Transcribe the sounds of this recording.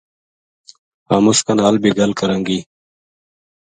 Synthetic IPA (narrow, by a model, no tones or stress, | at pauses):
aːmuskanaːlbiɡɐlkɐɾaŋɡiː